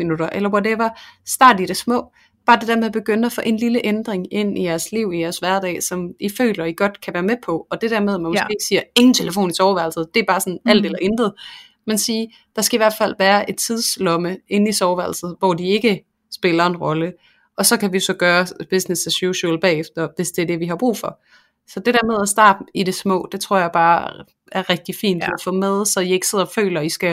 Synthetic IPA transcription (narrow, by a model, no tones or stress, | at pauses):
inuɾ̥ɐʔelɐwodeʋɑ̈sd̥ɑ̰̈ːd̥iɾ̥e̝smɔ̰̽ː | b̥ɑ̈ːd̥e̝d̥æɐmeb̥e̝ɡ̥øn̰æfɔ̽ʔe̝nliləʔend̥ʁeŋe̝n̰ijæɐsliʊ̰ijæɐsʋæɐd̥ɛ̰ːsɒ̽mifø̰ːlɐiɡ̥ɒ̽d̥kʰæʋæːɐmepʰɒ̽ɒ̽d̥e̝d̥æɐmeðˠæmænmɔsɡ̥e̝ːɡ̥siːɐe̝ŋn̩t͡sʰe̝ləfo̝̰ːnisɒʊʋæɐlsð̩ˠd̥e̝æb̥ɑ̈ːsɒ̽næl̰d̥elɐʔend̥ð̞̩ˠ | mensiː | d̥ɑ̈sɡ̥æiʋæɐ̰d̥fæl̰ʋæːɐʔe̝d̥t͡sʰið̞ˠslɒ̽məe̝n̩isɒʊʋæl̩sð̩ˠʋɒd̥ie̝ɡ̥ə | sb̥e̝lɐe̝nʁɒ̽lə | ʔɒ̽sɒ̽kʰæʋiosɒ̽ɡ̥ɶːɐb̥e̝snesæsjuɕolb̥ɛ̰ːefd̥ɐʋe̝sd̥e̝ɐd̥e̝ʋiɦɑ̈b̥ʁṵːfɒ̽ | sɒ̽d̥e̝d̥æɐ̰með̞ˠæsd̥ɑ̰̈ːb̥m̩id̥esmɔ̰̽ːd̥e̝t͡sʰʁo̰ɐ̰jɑ̈ɪb̥ɑ̈ː | æɐʁɛɡ̥̚d̥ifḭːnd̥æfɔmeð̞ˠsɒ̽jɑe̝ɡ̥əse̝ð̞̰ˠɐɒfø̰ːlɐisɡ̥æ